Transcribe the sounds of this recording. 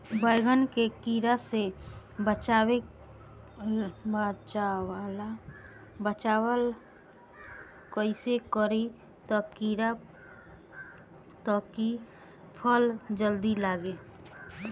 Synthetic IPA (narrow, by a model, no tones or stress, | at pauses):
bəjɡənkekiɾasebət͡ʃaːwe | bat͡ʃawala | bət͡ʃaːwəl | kəɪsekəɾi | t̪ɔkiɾa | t̪ɔki | pʰəld͡ʒəld̪ilaːɡe